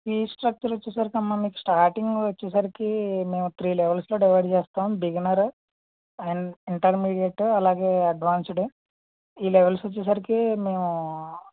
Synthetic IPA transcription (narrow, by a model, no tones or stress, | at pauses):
fiːsʈɾɐk̚t͡ʃɐɾʋot͡ʃːɛsɐɾikɐmːamiːku̥sʈaːɾʈiŋɡʋɐt͡ʃːɛːsɐɾikime̞ːmut̪ɾiːlɛʋelslo̞ːɖiʋɐːjɖt͡ʃeːst̪aːmbiɡnaɾu | iɳʈɐɾmiːɽijɐʈɐlaːɡe̞ːɐɖʋaːnsɽu | iːlɛʋelsɐt͡ʃːɛːs̬ɐɾikime̞ːmu